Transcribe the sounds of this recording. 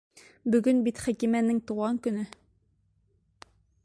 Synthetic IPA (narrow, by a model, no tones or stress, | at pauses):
bɵ̆ɡɵnbit̪χækimænɘŋt̪uʁɑŋkɵ̆nɘ